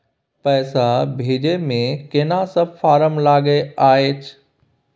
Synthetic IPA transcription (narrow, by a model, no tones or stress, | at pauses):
pɛːsabʱiːd͡ʒemẽkenasəb̚faːɾəmlaːɡeaːɦeːt͡ʃʰ